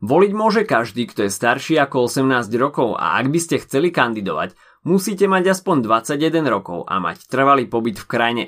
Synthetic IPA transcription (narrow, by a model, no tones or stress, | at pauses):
ʋɔliɟmʊɔʒɛkaʒd̪iːkt̪ɔjɛst̪aɾʃiːakɔɔsɛmnaːzɟɾɔkɔʊa̰ʔa̰ɡbiscɛxt͡sɛlikand̪id̪ɔʋa̰c | musiːcɛmaɟaspɔɲd̪ʋat͡saɟjɛd̪ɛnɾɔkɔʊʔa̰ma̰ct̪r̩ʋaliːpɔbit̪fkɾajɲɛ̰